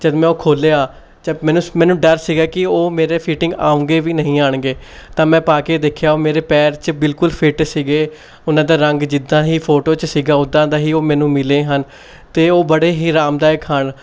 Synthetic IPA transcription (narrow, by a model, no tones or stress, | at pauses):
d͡ʒəd̪mɛ̃ːoːkʰoːleːaː | d͡ʒəmɛ̃ːnũːmɛ̃ːnũːɖəɾsiːɡaːkɪoːmeːɾeːpʰiːʈɪ̃ŋɡa̰ːũːŋɡeːʋiːnəɦĩːaːɳɡeː | t̪ãːmɛ̃ːpaːkeːd̪eːkʰjaːoːmeːɾeːpɛːɾt͡ʃbɪlkʊlpʰɪʈsiːɡeː | ʊnãːd̪aːɾəŋɡd͡ʒɪd̪ãːɦiːpʰoːʈoːt͡ʃsiːɡaːʊd̪ãːd̪aːɦiːoːmɛ̃ːnũːmɪleːɦən | t̪eːoːbəɽeːɦiːɾaːmd̪aːɪkʰəɳ